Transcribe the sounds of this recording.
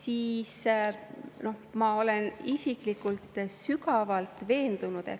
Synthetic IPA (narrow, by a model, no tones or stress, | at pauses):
siːs | no̞hmɑo̞le̞nisiklikːˑult̪ˑsykɑvɑlt̪ˑve̞ːnd̪̥unud̪̥ḛ